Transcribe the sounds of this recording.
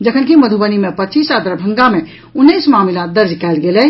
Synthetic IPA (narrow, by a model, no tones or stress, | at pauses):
d͡ʒəkʰənkiməd̪ʱubənimepətːt͡ʃisad̪əɾbʱə̃ŋɡame | unːəsmamlad̪əɾd͡ʒkɛlɡelɛ